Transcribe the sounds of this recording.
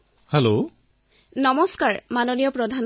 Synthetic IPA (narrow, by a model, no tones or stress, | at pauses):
helo | nɔmɔskaɹmanonijɔpɹɔdʱan